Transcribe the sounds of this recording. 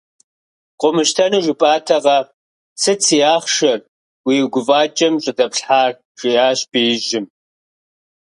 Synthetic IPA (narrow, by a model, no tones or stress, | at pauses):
qʷʼʊmɨʃtʰɐnɨʒʷʊpʼaːtʰɐʁɐ | sʰɨt͡sʰijaːχʃɐr | wiɡʷʊvaːt͡ʃʼɐmɕʼɨdɐpɬħaːr | ʒʼijaːɕb̥iːjɪʒɪm